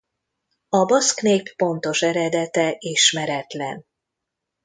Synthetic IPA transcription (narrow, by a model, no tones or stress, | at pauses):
ɒbɒskneːpːo̞nt̪o̞ʃɛɾɛd̪ɛt̪ɛʔeːʃmɛɾɛt̪lɛ̰n